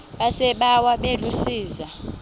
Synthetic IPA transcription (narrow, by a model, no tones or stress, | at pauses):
ɓasɛɓawaɓelusiːza